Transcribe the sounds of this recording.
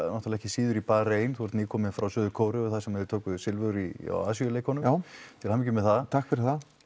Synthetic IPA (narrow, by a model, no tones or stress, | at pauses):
nɔht̪alɛhcɪ̥siːðʏɾipaːɾeːjnθɔɾt̪nikʰɔːmɪfɾawsʏːðʏkʰoːwɾʏʏθasɛmɛðɪɾt̪ʰoːwkʏðsɪlvœðʏɾia̰aːsiʏleːjkhɔnʏmt̪ʰɪlhamiːcʏmɛðθaðt̪ʰakfɪɾɪθa